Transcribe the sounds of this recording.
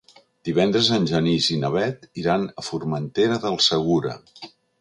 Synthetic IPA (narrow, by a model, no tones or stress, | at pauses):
d̪iβɛnd̪ɾəzənʲʒənizinəβ̞ɛt̪iɾanəfuɾmənt̪eɾəðəlˠsəɣuɾə̰